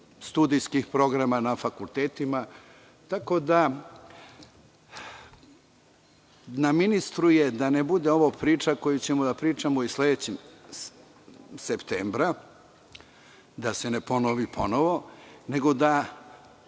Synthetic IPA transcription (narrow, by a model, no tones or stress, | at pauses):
st̪ud̪ijskixpɾo̞ɡɾamanafakulˠt̪eːt̪ima | t̪ako̞d̪a | naminist̪ɾujed̪anebud̪eo̞ʋopɾiːt͡ʂako̞jut͡ɕe̞mod̪apɾiːt͡ʃamoisle̞d̪et͡ɕem | sept̪eːmbɾa | d̪ase̞ne̞po̞noʋipʰo̞no̞ʋo̞ne̞ɡo̞d̪a